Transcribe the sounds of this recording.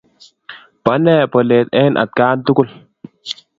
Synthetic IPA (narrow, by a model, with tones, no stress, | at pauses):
pa˨˦nɛː˦pɔ˨le˨t̪̚e˦nʔa̰˨t̪̚kaː˦nt̪u˦ku˦˨l